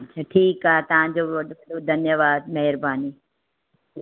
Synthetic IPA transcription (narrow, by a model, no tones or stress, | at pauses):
t͡ʃʰaʈʰiːkaːɦet̪ɐʋ̤ãd͡ʑoːʋɐɗoɐɗod̪ʱɐnjəʋaːd̪̚mɐɦɪɾbaːniː